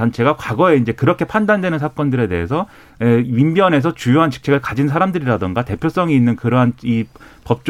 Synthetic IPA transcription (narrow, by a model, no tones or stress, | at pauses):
ant͡ɕʰe̞ɡakwaɡʌe̞ind͡ʑe̞kɯɾʌkʰe̞pʰandandwe̞nɯnsʰak͈ʌndɯɾe̞de̞ɦesʰʌ | eɥimbjʌne̞sʰʌt͡ɕujoɦant͡ɕɯ̥k̚t͡ɕʰeɡɯɭkad͡ʑins̬ʰaɾamdɯɾiɾadɯnɡate̞pʰjos͈ʌŋiinːɯnkɯɾʌɦanipʌp̚t͡ɕ͈